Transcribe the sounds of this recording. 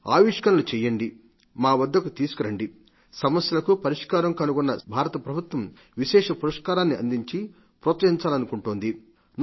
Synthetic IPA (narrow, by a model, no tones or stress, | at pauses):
a̰ːʋiːʂkɐnɐlut͡ʃɛjːɐɳɖi | maːʋɐd̪ːɐkut̪iːsu̥kuɾɐɳɖi | sɐmɐsjɐlɐkupɐɾiʂkaːɾɐmkɐnuɡɔnːɐbʱaːɾɐt̪ɐpɾɐbʱut̪ʋɐm | ʋiʃɛːʂɐpuɾɐʂkaːɾaːnːiɐ̰nd̪iɲt͡ʃi | pɾoːt̪sɐɦiɲt͡ʃaːlɐnukuɳʈoːnd̪i | n